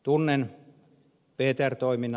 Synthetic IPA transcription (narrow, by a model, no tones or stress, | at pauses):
t̪unːen | peːt̪ært̪oimin